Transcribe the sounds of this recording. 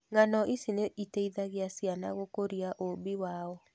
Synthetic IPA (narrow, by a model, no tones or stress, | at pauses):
ŋanɔʔisineʔiteiðaɣeasiana̰ɣokoɾiaʔobiwaɔ